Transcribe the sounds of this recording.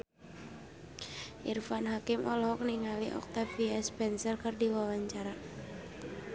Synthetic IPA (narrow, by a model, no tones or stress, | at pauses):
ʔirfanɦakɪmʔɔlɦɔk̚niŋaliʔɔ̰k̚t̪afiaspɛnsərkɨrdiwawaɲt͡ʃaɾa